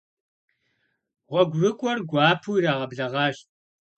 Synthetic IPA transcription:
ʁʷɔɡʷrɨkʷʼɔrɡʷɑːpʰuiraːʁɐbɮɐʁɑːɕ

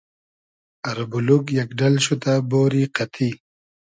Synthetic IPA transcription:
ɐɾbulukjɐkɖɐlɕut̪aboːɾiqɐt̪ʰi

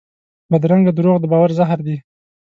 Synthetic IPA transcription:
bad̪ɾaŋɡad̪ɾoɣd̪əbɑwaɾzaɦɾd̪i

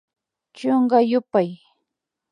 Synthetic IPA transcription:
t͡ʃoɴɢɑjʊpaj

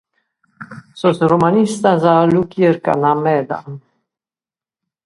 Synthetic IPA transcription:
sosɾomanist̪azalukjeɾka̰namɛd̪a̰n

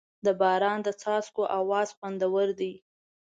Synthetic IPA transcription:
d̪əbɑɾɑnd̪ət͡sɑskoʔawɑzxand̪awəɾd̪ij

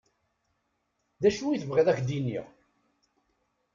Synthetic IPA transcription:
ðæʃuiθəvʁeðæçd̪inḭʁ

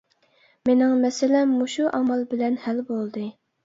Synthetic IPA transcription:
menɪŋmɛsɪlɛmːuʃuʔɑmɑlˠbɪlɛnhælbolˠd̪ɨ

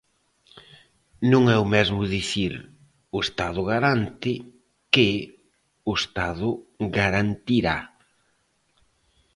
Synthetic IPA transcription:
nũŋɛʊmɛzmʊðiθiɾ | ʊest̪aðʊɣaɾant̪ɪ | kɪ | ʊest̪aðʊɡaɾant̪iɾa̰

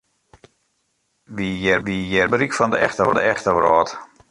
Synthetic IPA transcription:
ʋijɛrʋijɛrbəɾikfɔndəɛ̰xtəndəɛxtəʋrɔ̰ːt

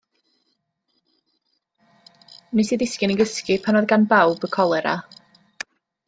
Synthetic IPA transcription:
nisiðɪskɪnəɡəskɪpʰanɔðɡanbawbəkʰɔlˠɛɾa̰

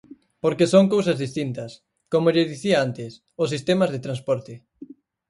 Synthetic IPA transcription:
poɾkesoŋkowsɐzðist̪int̪ɐs | komoʎeðiθiaant̪ɪs | ʊs̬ist̪emɐzðet̪ɾanspɔɾt̪ɪ

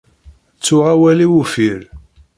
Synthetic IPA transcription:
t͡sːʊʁawæliwufiɾ

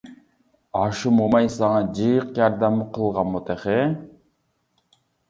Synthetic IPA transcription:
ɑʃɯmomɑjsɑŋɑd͡ʒɯjɯqjɑɾd̪ɑmɯqɯlˠʁɑmot̪eχe

